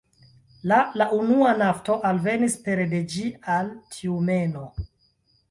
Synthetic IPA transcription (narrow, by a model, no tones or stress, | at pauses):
lalaunuanafto̞ʔalve̞nispe̞ɾde̞d͡ʒialtʰiume̞no̞